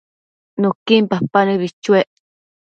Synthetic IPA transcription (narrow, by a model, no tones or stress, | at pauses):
nokimpapanɨβit͡ʃueʔ